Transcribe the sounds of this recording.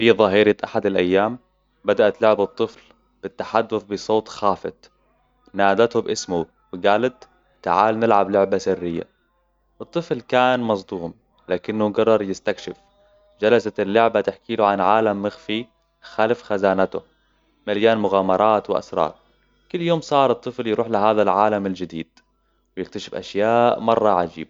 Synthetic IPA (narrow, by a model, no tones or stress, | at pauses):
fiðˤɑɦiːɾɪʔaħad̪alʔajːaːm | bad̪aʔat̪lʊʕbɨt̪ˤːɨfl | b̥ɪt̪ːaħad̪ːʊfbɪsˤoːt̪ˤxaːfɪ̰t̪ | naːd̪at̪hʊbʔɪsmu | wɪɡaːlat̪ | t̪ːa̰ʕaːlnɪlʕablʊʕbasɪrːɪjːa̰ | ʔɨt̪ˤːɨflkaːnmɑsˤd̪uːm | laːkɪnːʊɡɑrˤːɑɾˤjɪst̪akʃɪf | d͡ʒalasalːʊʕbat̪ɪħkiːlʊʕanʕaːlamːɪxfi | xaːlɪfxazaːnat̪ʊ̰ | maljaːnmʊɣaːmɑɾˤɑːt̪wɪʔa̰sɾˤɑ̰ːɾˤ | kʊlːjoːmsˤɑːɾˤɨt̪ˤːɨfljɾuːħlaɦaːðalʕaːlamald͡ʒɪd̪iːd̪̥ | wjɪk̚t̪aʃɪfʔa̰ʃjaːʔmɑrˤːɑʕad͡ʒḭːba